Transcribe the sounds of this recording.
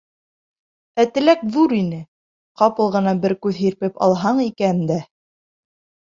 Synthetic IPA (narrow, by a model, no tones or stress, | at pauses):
æt̪ɘ̆lækðuɾinɘ | qɑpɤ̆lˠʁɤ̆nɑbɘɾkʉðɦiɾpɘpɑ̰lˠɦɑɴikænd̪æ